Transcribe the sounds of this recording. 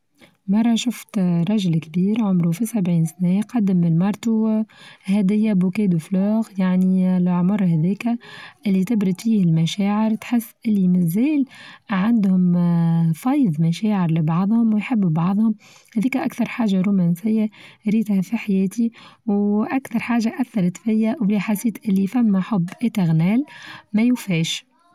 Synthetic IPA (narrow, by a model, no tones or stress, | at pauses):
mɑrˤːɑʃʊft̪ɾˤɑʒlkbiːɾʕʊmɾufisæbʕiːnsanæjqɑd̪ːɪmːɪnmɑɾˤt̪ˤu | hɛːd̪ɪjːabukɛːd̪ufluːɣjaʕnilʕmʊɾˤhɛðɛːkæʔɪlːit̪ɪbɾɪd̪fiːhɪlmæʃæːʕɪɾt̪ħɪsːʔɪlːimɪzɛːlʕand̪hʊm | fɑːjðˤmæʃæːʕɪɾlɪbɑʕðˤhʊmwjħɪbːbɑʕðˤhʊm | hɛðiːkæʔakθɑɾˤħaːʒaɾumænsɪjːaɾiːt̪hæfiħajɛːt̪iwʔækθɑɾˤħaːʒaʔæθːɑɾˤɑt̪fɪjːawliħasːiːt̪ʔɪlːifæmːæħʊbːʔɪt̪aɣnæːlmæjʊfɛːʃ